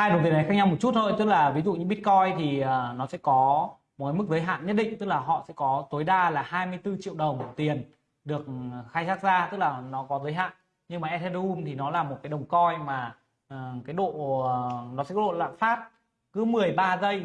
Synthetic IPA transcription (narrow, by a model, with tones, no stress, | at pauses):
haː˧jɗə˨˩wŋ͡mt̪i˨˩ən˨˦xaː˦˥ɲa˧wmo˨˩t̚t͡ɕu˦˥t̚t̪ʰo˧jt̪ɨ˦˥k̚laː˨˩vi˨˦zṵ˧˨ɲɨ˧ɓi˦˥t̚kɔ˧jt̪ʰi˨˩əː˨˩nɔ˨˦sɛ̰˧˥kɔ˨˦mo˨˩t̚kaː˨˦mɨ˦˥k̚zə˨˦jɦa̰ː˧˨nɲə˦˥t̚ɗḭ̈˧˨ŋ̟t̪ɨ˦˥k̚laː˨˩ɦɔ̰˧˨sɛ̰˧˥kɔ˨˦t̪o˨˦jɗaː˧laː˨˩ɦaː˧jmɨ˧əjt̪ɨ˧t͡ɕḭ˧˨əwɗə˨˩wŋ͡mt̪i˨˩ən | ɗɨ˨˩ək̚xa˧jsaː˦˥k̚zaː˧t̪ɨ˦˥k̚laː˨˩nɔ˨˦kɔ˨˦zəː˨˦jɦa̰ː˧˨n | ɲɨ˧ŋmaː˨˩ʔɛ˦˥t̚ʰɛ˧ɗu˧mt̪ʰi˨˩nɔ˨˦laː˨˩mo˨˩t̚kaː˨˦jɗə˨˩wŋ͡mkɔ˧jmaː˨˩˨ | kaː˨˦jɗo̰˧˨˩ | nɔ˨˦sɛ̰˧˥kɔ˦o̰˧˨la̰ː˧˨faː˦˥t̚ | kɨ˨˦mɨ˨˩əjɓaː˧zə˧j